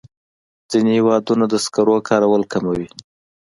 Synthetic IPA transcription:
d͡zinehewɑd̪unad̪əskaɾokʰɑɾawəlkamawi

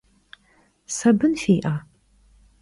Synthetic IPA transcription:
sɐbɨnfeːʔaː

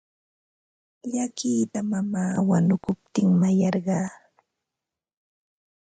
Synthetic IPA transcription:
ʎakiːt̪amamaːwanʊkʊp̚t̪ɪŋmajɑɾɢɑː

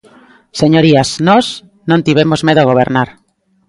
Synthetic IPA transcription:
seɲoɾiasnos | nõnt̪iβ̞emozmeðoɣ̞oβ̞eɾnaɾ

